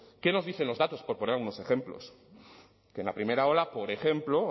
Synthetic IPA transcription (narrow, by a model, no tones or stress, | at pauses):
ke̞no̞zðiθe̞nlo̞zðat̪o̞spo̞ɾponeɾalɣuno̞se̞xe̞mplo̞̰s | kenlapɾime̞ɾao̞lapo̞ɾe̞xe̞mplo